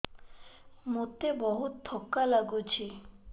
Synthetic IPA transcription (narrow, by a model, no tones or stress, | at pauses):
mot̪ebɔɦut̪t̪ʰːɔkːalaɡut͡ɕʰi